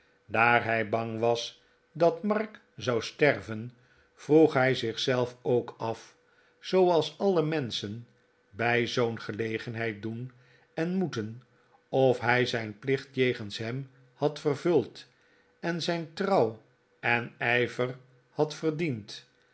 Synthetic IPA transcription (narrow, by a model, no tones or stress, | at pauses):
daːɹɦɛjbɑŋʋɑs | dɑtmɑɹk | zɑwstɛrvən | v̥ruχɦɛjzɪχsɛlˠfowkɑf | z̥owɑlˠsɑləmɛnsən | bɛjzownχəlejχənɦɛjt̚dun | ɛnmutən | ɔfɦɛjzɛjnplɪχtjejχənsɦɛm | hɑtfərvɵlˠt | ɛnzɛjntrɑw | ɛnɛjvər | hɑtfərdint